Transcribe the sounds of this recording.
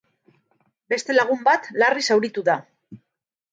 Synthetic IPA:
be̞st̪e̞laɣ̞umbat̪larisawɾit̪uða

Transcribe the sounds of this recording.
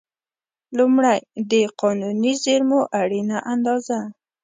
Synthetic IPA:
lumɽajd̪əqʰɑnunizeɾmoʔaɽinaʔand̪ɑza

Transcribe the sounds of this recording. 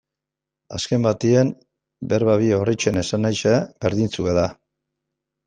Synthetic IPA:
a̰ske̞mbat̪ien | beɾβaβio̞rit͡ʃene̞sanajʃebe̞ɾðint͡sueða

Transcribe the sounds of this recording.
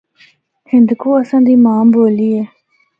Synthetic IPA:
hɪ̃nd̪koasãnd̪imaːmboːlie

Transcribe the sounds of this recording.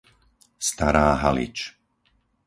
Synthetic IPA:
st̪aɾaːɦalḭt͡ʃ

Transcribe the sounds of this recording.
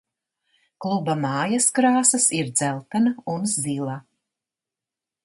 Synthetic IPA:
klˠubamɑːjaskɾaːsɐsiɾd̪zælˠt̪anaunzzilˠa

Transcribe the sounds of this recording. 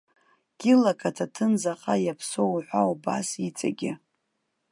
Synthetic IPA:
ɡ̥ʲɪlakʰʼatʰatʰɨnzaqʼajapʰsowħʷawba̰sit͡sʼa̰ɡʲɪ

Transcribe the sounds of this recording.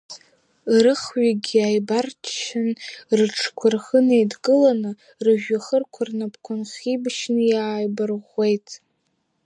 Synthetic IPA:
rɨχɥaɡʲiajbartʰʃɪnrɨʈ͡ʂʰkʷʰʊrχənejdɡɨlanɨ | rɨʒᶣaχərkʷʰarnapʰkʷʰʊnχʲibʃnɨjaːjbɨrʁʷe̞jtʼ

